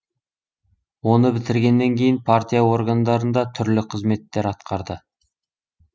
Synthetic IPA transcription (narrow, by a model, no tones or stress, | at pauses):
wo̞nəbɪt̪ɪɾɡʲe̞nːe̞ŋkʲʰe̞jɪnpʰaɾt̪ʲijawo̞ɾɡand̪ɑɾənd̪ɑt̪ʰʏɾlɪqʰəzme̞t̪ːe̞ɾɑt̪qɑɾd̪ə